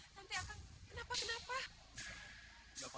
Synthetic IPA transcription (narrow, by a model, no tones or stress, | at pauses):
nant̪ajʔakaŋkənaːpakənapa